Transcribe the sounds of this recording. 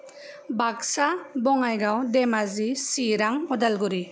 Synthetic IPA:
baksabɔŋajɡawdemazisiɾaŋɔdalɡuɾi

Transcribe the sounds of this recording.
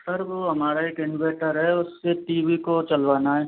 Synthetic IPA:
səɾʋoɦɐmaːɾaeːkɪnʋeːʈəɾɦɛʊsːeʈiːʋikot͡ʃɐlʋaːnaɦɛː

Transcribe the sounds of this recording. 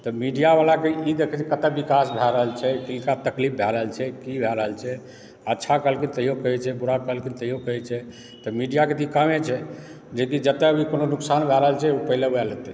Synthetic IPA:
t̪ɔmiɖijabalakeid̪ekʰɛt͡ʃʰɛkət̪ɛbikasbʱɛɾəɦəlt͡ʃʰɛkilkat̪əklip̚bʱɛɾəɦəlt͡ʃʰɛkibʱɛɾəɦəlt͡ʃʰɛ | ətːʃʰakəlkint̪əiɦokəɦɛt͡ʃʰɛbuɾakəlkint̪əɦiɦokəɦɛt͡ʃʰɛ | t̪ɔmiɖijaket̪̬ikəmet͡ʃʰɛ | d͡ʒekid͡ʒət̪ːɛəbʱikononuksanbʱɛɾəɦəlt͡ʃʰɛupəilebɛlət̪ɛ

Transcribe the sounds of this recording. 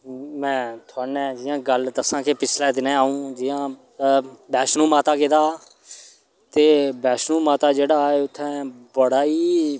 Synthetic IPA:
mɛ̃ːt̪ʰʊaːnɛ̃ːd͡ʒɪjãːɡəld̪əsãːkepɪt͡ʃʰlɛ̃ːd̪ɪnɛ̃ːaːũːd͡ʒɪjãː | bɛːʃnũːmaːt̪aːkeːd̪aː | t̪eːbɛːʃnũːmaːt̪aːd͡ʒeːɽaːeːʊt̪ʰːɛ̃ːbəɽaːiː

